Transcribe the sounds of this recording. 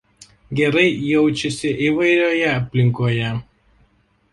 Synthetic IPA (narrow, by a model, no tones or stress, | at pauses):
ɡʲɛɾɐɪjɛʊt͡ʃʲɛsʲɪʔiʋɐɪɾʲoːjɛɐpʲlʲɪŋkoːjɛ